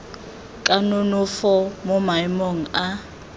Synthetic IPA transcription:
kʼanʊnʊfɔmʊmaimɔŋ̩a

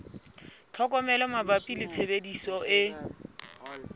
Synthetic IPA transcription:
t͡ɬʰɔkʼɔmɛlɔmabapʼilɪt͡sʰebedisɔɪ

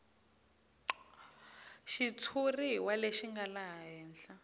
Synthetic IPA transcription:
ʃit͡sʰuriwaleʃiŋɡalaɦaɦɛːnɬa

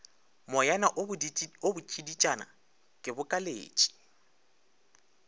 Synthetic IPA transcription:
mɔjanaʔobʊt͡ʃʼidit͡ʃʼana̰ | kʼɪbʊkʼalḛːt͡ʃʼi̥

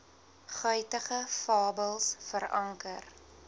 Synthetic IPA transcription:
χœjtəχəfɑːbəlˠsfəɾɐŋkər

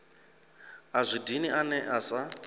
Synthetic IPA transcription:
azʷidiniʔanɛʔasa

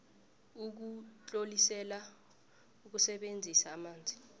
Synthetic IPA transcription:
uk̬ut͡ɬʼolisɛla | uk̬usɛɓend͡zʱisaːmaːnd͡zʱi

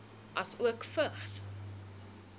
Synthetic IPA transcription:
ʔɐsuəkfəχs

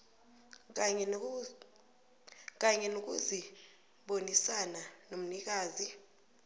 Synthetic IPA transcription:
k̬aɲɛnok̬ʼṵzi | ɓonisananom̩nik̬aːzi

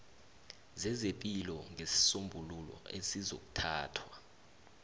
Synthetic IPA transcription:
zɛzepʼilɔŋʱesi̥sombʱululɔ̰esizo̰k̬ʼu̥tʰaːtʰwa

